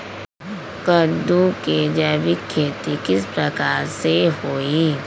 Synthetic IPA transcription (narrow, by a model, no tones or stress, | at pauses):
kəd̪uked͡ʒabikʰːeːt̪ikɪspɾɐkaːɾsehoːiː